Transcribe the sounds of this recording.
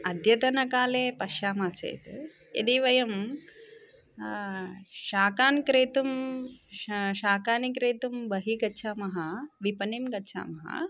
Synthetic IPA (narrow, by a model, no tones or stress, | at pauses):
ɐd̪jɐt̪ɐnɐkaːleːpɐʃjaːmaːt͡sɐ̰jt̪ | ḛd̪iːʋɐjɐm | ʃaːkaːnkɾeːt̪um | ʃaːkaːnikɾeːt̪umbɐɦiɡɐtːʃʰaːmɐɦɐʋipɐnimɡɐtːt͡ʃʰa̰ːmɐɦɐ̰